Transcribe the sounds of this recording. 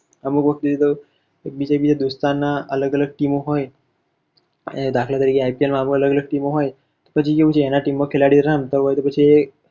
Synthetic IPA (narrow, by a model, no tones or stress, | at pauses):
əmukʋək̚t̪id͡ʑet̪o | ek̚bid͡ʑabid͡ʑad̪ust̪anːaʔələɡələɡ̚ʈimoɦoj | ed̪akʰljat̪əɾikiajpielmaːmukələɡələɡ̚ʈimoɦoj | t̪opət͡ʃʰikeut͡ɕiɛnaʈimokʰelaɽiɾamt̪əɦojt̪ɔpət͡ɕie